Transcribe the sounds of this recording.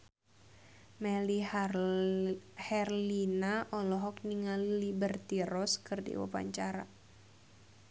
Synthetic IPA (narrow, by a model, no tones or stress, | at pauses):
mɛli | hɛrlinaʔɔlɔɦɔk̚niŋallibərt̪iɾɔskɨrdḭwa̰pa̰ɲt͡ʃaɾa̰